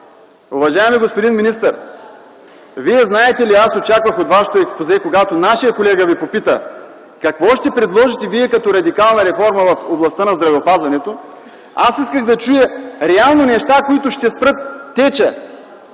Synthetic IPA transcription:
ʊvɐʒaɛmiɡospod̪inminist̪ɐɾ | viɛznaɛt̪ɛliasot͡ʃakvəxot̪vaʃɛ̥t̪oɛkspozɛkoɡat̪onaʃijəkolɛɡəvipopit̪ə | kɐkvɔʃt̪ɛpɾɛd̪lˠɔʒit̪ɛviɛkɐt̪ɔɾɐd̪ikalˠnɐɾɛfɔɾmɐvɐfoblˠɐst̪ənɐzd̪ɾɐvɛopazvɐnɛt̪o | asiskəɣd̪ɐt͡ʃujəɾɛalˠnonɛʃt̪akoit̪ʊʃt̪ɛspɾɤt̪ːɛt͡ʃə

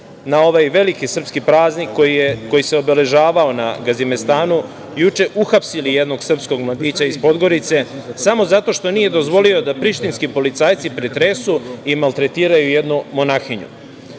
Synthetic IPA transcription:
nao̞ʋajʋe̞likisr̩pskipɾaːznikːokːo̞jise̞o̞bele̞ʒaːʋao̞na̰ɡazimest̪aːnu | jut͡ʃe̞ʔuxapsilije̞d̪no̞ɡsr̩psko̞ɡmlˠad̪iːt͡ɕaizpo̞d̪ɡo̞ɾit̪se̞samo̞zat̪o̞ʃt̪o̞niːje̞d̪o̞zʋo̞lio̞d̪apɾiʃt̪inskipo̞lit̪saːjt̪sipɾet̪ɾesuimalt̪ɾe̞t̪iːɾajuje̞d̪numo̞naxiɲṵ

